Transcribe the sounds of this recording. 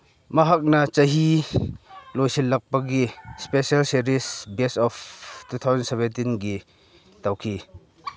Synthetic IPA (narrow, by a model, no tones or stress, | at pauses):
mɐɦɐk̚nɐt͡ʃɐɦi | lojsilːɐk̚pɐɡispesɐlsiɾisbɛsɔftut̪ʰawzɐnsɛvɛntinɡi | tawkʰi